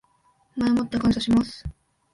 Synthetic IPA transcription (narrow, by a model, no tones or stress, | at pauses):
mamot̪ːakãñsoɕimasɨ̥